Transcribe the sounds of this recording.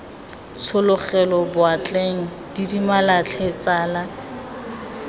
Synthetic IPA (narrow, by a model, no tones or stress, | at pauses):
t͡sʰʊlʊχɛlɔbʊat͡ɬʼeŋ̩ | d̥idimalat͡ɬʰet͡saːla